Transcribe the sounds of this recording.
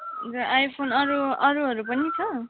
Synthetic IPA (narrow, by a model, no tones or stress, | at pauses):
d͡zʌʔajpʰonʌɾuʌɾuɦʌɾupʌnit͡sʰʌ